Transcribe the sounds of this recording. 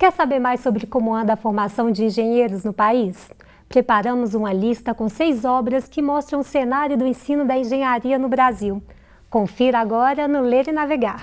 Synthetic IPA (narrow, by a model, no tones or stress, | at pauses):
kɛɾsabeɾmajsobɾɪkõmʊɛd̪ɐfoɾmasɐ̃w̃d͡ʒɪẽʒẽɲejɾʊznʊpais | pɾepaɾɐ̃mʊzũmɐlist̪ɐkõsejzɔbɾɐskɪmɔst̪ɾɐ̃w̃ʊsenaɾjʊd̪ʊẽsĩnʊd̪ɐẽʒẽɲaɾiɐnʊbɾaziw | kõfiɾaɡɔɾɐnʊleɾɪnaveɡaɾ